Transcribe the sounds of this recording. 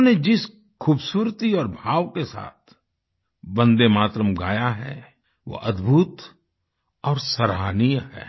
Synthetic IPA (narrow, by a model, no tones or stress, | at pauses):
ned͡ʒɪs | xʰuːbsuːɾt̪iɔːɾbʱaːʋkesa̰ːt̪ʰ | bɐ̃nd̪emaːt̪ɾəmɡa̰ːjaɦɛ̰ | ʋo̰ʔɐd̪bʱuːt̪ | ɔːɾsɐɾaːnijɦɛ̰ː